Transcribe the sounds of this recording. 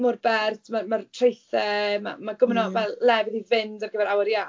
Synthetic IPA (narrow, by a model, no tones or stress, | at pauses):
mʊrbɛrtʰmamartʰrejθɛma̰maɡʊmnɔmalɛvɪðivɪndɔvɡəvɛɾawəɾja